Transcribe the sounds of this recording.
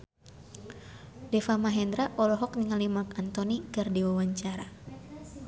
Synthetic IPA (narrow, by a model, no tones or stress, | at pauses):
dɛfamaɦɛnd̪ɾaʔɔlɔɦɔk̚niŋalimakant̪ɔnikɨrdiwawaɲt͡ʃaɾa